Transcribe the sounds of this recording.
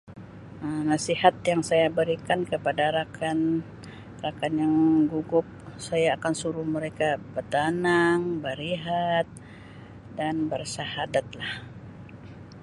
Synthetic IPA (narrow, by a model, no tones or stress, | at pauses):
ənasihat̪̚jaŋsajabəɾikankəpadaɾakan | rakanjaŋɡuɡʊp̚sajaːkansuɾuhməɾekabət̪anaŋbəɾiɦat̪̚ | danbərsahadat̪̚lah